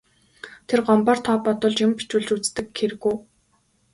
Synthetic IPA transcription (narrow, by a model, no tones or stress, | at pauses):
t̪ʰerɢɔmpaːr̥t̪ʰɔːpɔt̪ʊ̆ːɮt͡ɕjʊmpi̥t͡ɕɘ̆ɮt͡ɕut͡st̪ɘ̆kxeɾɘ̆ɣuː